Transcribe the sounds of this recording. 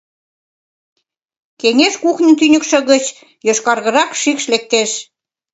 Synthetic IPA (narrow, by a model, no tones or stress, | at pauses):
keŋeʃkuxnʲə̆nt̪ynʲə̆kʃɤ̆ɣə̆t͡ɕ | joʃkɑrɣə̆ɾɑkʃikʃlek̚t̪eʃ